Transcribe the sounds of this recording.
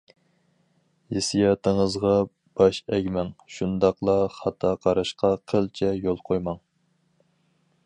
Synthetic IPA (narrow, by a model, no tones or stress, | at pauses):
jesijɑt̪ʰəŋəzʁɑ | b̥ɑʃɛɡʲmɛŋʃund̪ɑqlˠɑχɑt̪ʰɑqʰɑɾɑʃqʰɑqʰəlt͡ʃʰɛjolˠqʰojmɑŋ